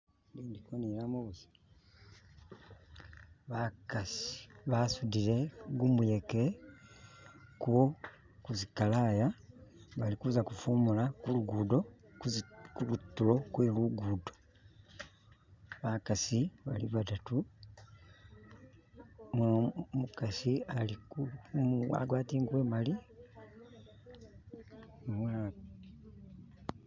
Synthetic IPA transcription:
liːndikonilamoβuzi̥ | βakasi̥βasudiɾe̞ɡumujeke | kuwo | kuzikalajaβalikuzakufumulakuluɡuːdo̞ | kulutːulo̞kweluɡuːdo̞ | βakasiβa̰lḭβatatu | mmukasialikuma̰ɡwaːtiːŋɡwe̞ːmali | mula

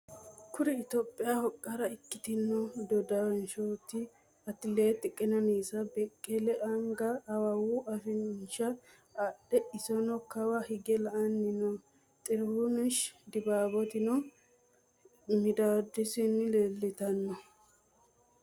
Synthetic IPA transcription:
kʊɾɛɪt̪oːpʼːɪjahɔkʼːɐɾɐɪkːɪt̪ɪnːɔd̪ɔd̪ɐwnʃoːt̪ːɪ | ɐt̪ːɪleːt̪ːɪkʼːɪnɐniːsɐbɛkʼːɛlɛʔɐŋɡɐːwɐwuʔɐfɪʃɐ | ɐɗɛʔɪsɔnɔkɐwɐhɪɡɛlɐʔɐnːɪnɔ | t̪ʼɪɾhʊnɪʃd̪ɪbaːbɔt̪ɪnɔ | mɪd̪aːd̪ɪsɪnːɪleːlːɪt̪ɐnːɔ

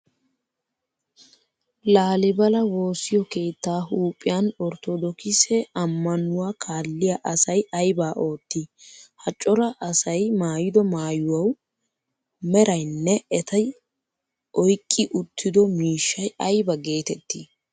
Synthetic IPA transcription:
laːlɪbɐlɐwo̞ːsɪjɔke̞ːt̪ːaːɦuːpʼːɪjanɔɾt̪ɔd̪ɔkɪsɛɐmːɐnʊwaːkʰaːlːɪjaʔɐsɐjɐjbaːʔo̞ːt̪ːihɐt͡ʃʼːɔɾɐʔɐsɐjmaːjɪd̪ɔmaːjʊwɐw | mɛɾɐjnːɛɛt̪ʰɐj | ʔɔjkʼːɪʔʊt̪ʰːɪd̪ɔmiːʃːɐjɐjbɐɡe̞ːt̪ɛt̪ːi

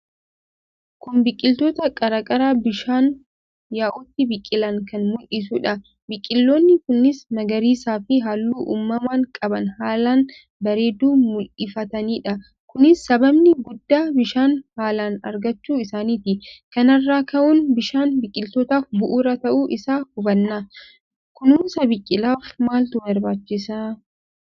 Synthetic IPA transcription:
kʊnbɪkʼːɪlt̪oːt̪ɐkʼɐɾɐkʼɐɾaːbɪʃaːn | jaːʔʊt̪ːɪbɪkʼːɪlɐŋkɐnmʊlʔɪs̬uːᶑɐ | bɪkʼːɪlːoːnːɪkʊnːɪsnɐɡɐɾiːsaːfɪɦaːlːuːʔṵːmːɐmaːŋkʼɐbɐnhaːlaːn | bɐɾe̞ːd̪uːmʊlʔɪfɐt̪ɐniːᶑɐ | kʊnɪsːɐbɐbnɪɡʊd̪ːaːbɪʃaːnhaːlaːnɐ̰ɾɡɐt͡ʃːuːɪsaːniːt̪ɪkɐnɐrːaːkɐʔʊnbɪʃaːnbɪkʼːɪlt̪oːt̪aːfbʊʔuːɾɐt̪ɐʔuːʔɪsaːhʊbɐnːɐ | kʊnuːnsɐbɪkʼːɪlaːfmaːlt̪ʊbɐɾbaːt͡ʃːɪsaː

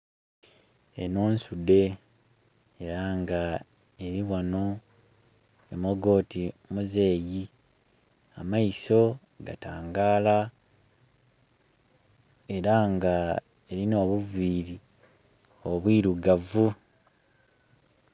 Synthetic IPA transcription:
ḛnoːnsude̞ | ɾaŋɡa | e̞ɾiwano | emoɡo̞ːtimuze̞ːji | a̰majiso̞ | ɡa̰taːŋɡaːla | e̞ɾaŋɡa | e̞ɾino̞ːβuviːɾi | oβwiːɾuɡavu

